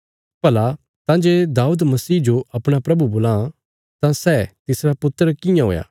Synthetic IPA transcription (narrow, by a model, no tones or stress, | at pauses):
pɐla | t̪ãd͡ʒeːd̪aːuːd̪mɐsiːd͡ʒoʔɐpɽ̃apɾɐbuboːlã | t̪ãsɛːt̪ɪsɾapʊt̪ːəɾəkɪjãɦo̰ːja̰ː